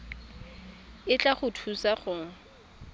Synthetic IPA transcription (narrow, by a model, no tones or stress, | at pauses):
ɪt͡ɬʼaχʊtʰusaχʊŋ̩